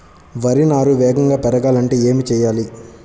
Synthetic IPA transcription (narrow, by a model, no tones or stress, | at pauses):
ʋɐɾinaːɾuʋɛːɡɐŋɡaːpɛɾɐɡaːlɐɳʈe̞ːeːmit͡ʃɛːjaːli